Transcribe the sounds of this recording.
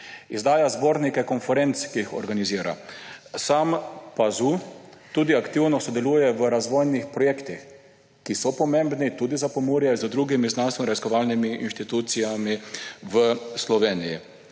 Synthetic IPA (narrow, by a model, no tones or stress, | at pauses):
izd̪aːjazboːɾnikɛkɔnfɛɾent̪skiːxɔ̰ɾɡaniziːɾa̰sampazut̪ud̪iakt̪iwnɔsɔd̪ɛluːjɛʋəɾazʋɔjnixpɾɔjeːkt̪ix | kisɔpɔmẽmbnit̪uːd̪izapɔmuɾjɛzəd̪ɾuɡimiznanst̪ʋɔɾaziskɔʋaːlnimiinʃt̪it̪uːt̪sijamiʋəslɔʋeːniji